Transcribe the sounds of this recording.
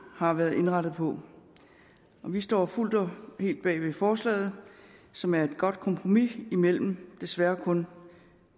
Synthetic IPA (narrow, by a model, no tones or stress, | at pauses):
hɑ̈ʋæɐð̩ˠe̝nʁɑɾ̥ð̞̩ˠpʰɒ̽ | ɒ̽ʋisd̥ɒ̰ːful̰d̥ɒhe̝̰ːld̥̚b̥ɛ̰ːʋe̝fɒːslɛ̰ːð̞̩ˠsɒ̽mæɐe̝d̥̚ɡ̥ɒ̽d̥̚kʰɒ̽mpʰʁo̝miimel̰m̩d̥e̝sʋæːɐkʰɔ̽n